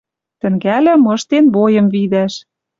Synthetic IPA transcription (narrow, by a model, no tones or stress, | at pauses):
t̪ɘ̆ŋɡælɘ̆mɤ̆ʃt̪enβojɤ̆mvid̪æʃ